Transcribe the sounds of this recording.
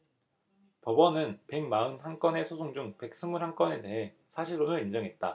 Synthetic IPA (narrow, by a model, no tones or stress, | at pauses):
pʌbʌnɯnpe̞ŋ̚maɯnhank͈ʌne̞sʰosʰoŋd͡ʑuŋpe̞k̚s͈ɯmuɾhaŋk͈ʌne̞de̞ɦe̞ | sʰaɕʰiɾonɯɾind͡ʑʌŋɦe̞t̚t͈a̰